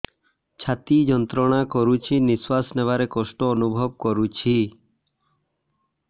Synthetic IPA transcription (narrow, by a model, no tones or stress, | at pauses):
t͡ʃʰat̪id͡ʒɔnt̪ɾɔɽ̃akɔɾut͡ʃʰiniswasneβaɾekɔsʈɔːnubʱɔb̚kɔɾut͡ʃʰi